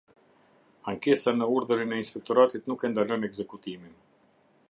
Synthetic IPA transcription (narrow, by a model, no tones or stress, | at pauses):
aŋkɛsanəuɾðəɾinɛinspɛk̚t̪ɔɾat̪it̪nukɛnd̪alɔnɛɡzɛkut̪imin